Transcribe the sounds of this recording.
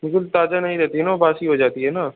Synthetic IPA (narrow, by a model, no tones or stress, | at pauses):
bɪlkʊlt̪aːd͡ʒanɐɦĩɾɛɦt̪iɦɛnaobaːsiɦod͡ʒaːt̪iɦɛnaː